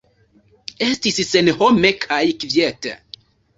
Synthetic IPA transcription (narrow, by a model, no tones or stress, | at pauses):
estissenhomekʰajkvjet